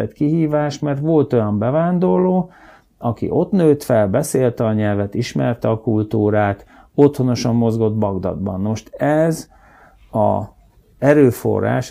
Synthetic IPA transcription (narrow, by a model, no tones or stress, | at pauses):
ɛt̪kiɦiːvaːʃmɛrt̪ʋo̞lt̪o̞jɒmbɛvaːnd̪o̞rloː | ɒkḭʔo̞t̪nøːt̪fɛlbɛseːlt̪ɛɒɲɛlvɛt̪iʃmɛrt̪ɛɒkult̪uːɾaːt̪ | o̞t̪ho̞no̞ʃɒmːo̞zɡo̞d̪bɒɡd̪ɒ̰d̪bɒ̰nːoʃt̪ɛz | ɒ̰ | ɛɾøːfo̞̰ra̰ːʃ